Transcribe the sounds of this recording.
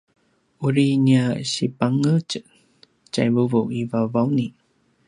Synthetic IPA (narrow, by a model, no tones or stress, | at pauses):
uɾiniaɕipaŋət͡ʃə | t͡ɕa̰jvuvuivavawni